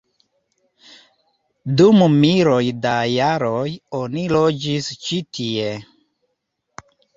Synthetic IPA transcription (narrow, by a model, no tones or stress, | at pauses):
dummiɾo̞jdajaɾo̞jo̞nilo̞d͡ʒist͡ʃitʰie̞